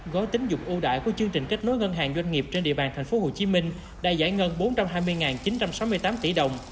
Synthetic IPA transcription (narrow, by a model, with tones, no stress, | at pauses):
ɣɔ˨˦t̪ï˨˦ŋzʊ˨˩k͡p̚ʔu˧ɗa̰ː˧˨jku˧˩ət͡ɕɨ˧əŋt͡ɕï˨˩ŋ̟ka˦˥k̚no˨˦jŋə˧nɦaː˨˩ŋzwa˧jŋ̟ŋi˨˩əp̚t͡ɕe˧nɗḭ˧˨əɓaː˨˩nt̪ʰŋfo˨˦ho˨˩t͡ɕi˨˦mï˧ŋ̟ | ɗa̰ː˧˥za̰ː˧˩jŋə˧nɓo˨˦nt͡ɕa˧mɦaː˧jmɨ˧əjŋaː˨˩nt͡ɕi˨˦nt͡ɕa˧msa˨˦wmɨ˧əjt̪aː˨˦mt̪i˧˩ɗə˨˩wŋ͡m